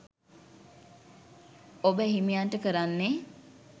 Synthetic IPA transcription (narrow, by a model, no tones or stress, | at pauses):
obəɦimijanʈəkəɾanːe